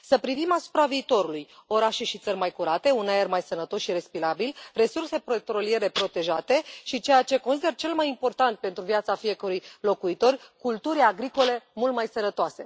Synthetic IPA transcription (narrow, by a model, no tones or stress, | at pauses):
səpɾivimasu̥pɾaviːt̪o̞ɾulujo̞ɾaʃe̞ʃit̪sərʲmajkuɾat̪e̞unaermajsənət̪o̞sʃiɾe̞spiɾabilre̞surse̞pɾot̪ɾo̞lie̞ɾe̞pɾo̞t̪e̞ʒat̪e̞ʃit͡ʃe̞jat͡ʃe̞kons̬id̪e̞rt͡ʃe̞lmajimpo̞rt̪ant̪̚pe̞nt̪ɾuviat̪safije̞kəɾujlo̞kuit̪o̞rʲkult̪uɾʲjaɡɾiko̞le̞mult̪majsənət̪oase̞̰